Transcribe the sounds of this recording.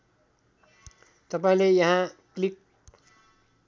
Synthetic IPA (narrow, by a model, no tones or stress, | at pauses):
t̪ʌpaĩlejɐɦãklik̚